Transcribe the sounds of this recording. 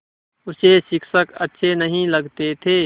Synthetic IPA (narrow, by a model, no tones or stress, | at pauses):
ʊsesɪkʃəkətːʃʰenəɦĩləɡt̪et̪ʰeː